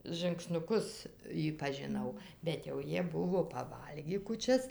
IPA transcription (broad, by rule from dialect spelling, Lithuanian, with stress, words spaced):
ʒɨŋksnʊˈkʊs ˈjiː pɐʒʲɪˈnɐʊ bʲɛt jɛʊ ˈjiɛ ˈbʊʋoː pɐˈʋɐlʲɡʲiː kuːˈt͡ʃʲɛs